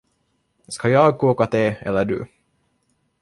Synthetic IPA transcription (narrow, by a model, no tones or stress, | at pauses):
skɑjɑːɡ̚kuːkat̪eːɛ̰lːəɖʉ̰